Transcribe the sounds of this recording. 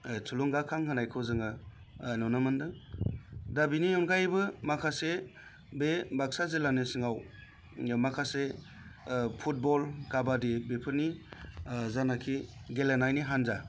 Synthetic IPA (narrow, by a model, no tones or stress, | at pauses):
tʰuluŋɡakʰaŋkʰɯnajkʰɯwzɯŋɯ | nɔnɯmɯndɯ | dabinijɔnɡʰajbɯmakʰase | bebaksazelanɯsɯŋaw | makʰase | pʰut̚bɔlkabadibepʰɯɾni | zanakʰiɡelenajniɦanza